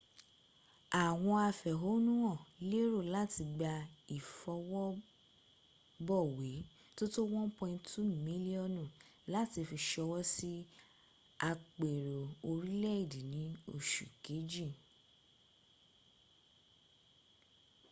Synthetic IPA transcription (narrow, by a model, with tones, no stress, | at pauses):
a˨w̃ɔ̃˧a˧fɛ˨ɦo˨˦nũ˦ɔ̃˦˨le˦ɾo˦˨la˦ti˧ɡ͡ba˧i˨fɔ˧wɔ˦ | bɔ˦˨we˨˦ | to˦to˦wɔ̃˦pɔ̃˧ĩ˧ntu˦mĩ˨˦li˦ɔ˦˨nũ˦˨la˨˦ti˧fi˧ʃɔ˧wɔ˦si˦ | a˧k͡pe˨ɾo˨o˧ɾi˦lɛ˦i˦˨di˨nĩ˨˦o̰˦˨ʃu˨ke˨˦d͡ʒĩ˦˨